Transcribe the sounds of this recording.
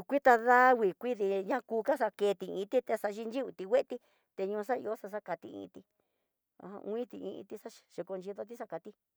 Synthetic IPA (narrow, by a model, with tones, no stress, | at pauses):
kʷi˦t̪a˧ða˦wi˨kʷi˦ði˧ɲã˦˧kuː˧ka˦sa˧ke˧t̪i˨ḭ̃˧t̪i˦t̪e˧sa˧ʒi˧nd͡ʒi˦βi˧t̪i˧wʷe˦ʔt̪i˦ | t̪e˧ɲũː˧s̬a˦ḭ˧o˦sa˧s̬a˦ka˧t̪ḭ˧ḭ̃˧t̪i˧ | a̰˧ã̰˧ũ˧˦ĩ˦t̪i˧ḭ̃˧ḭ̃˧t̪i˧sa˦˨ʃi˧ko˧nd͡ʒi˧ðo˧t̪i˦sa˦ka˧t̪i˦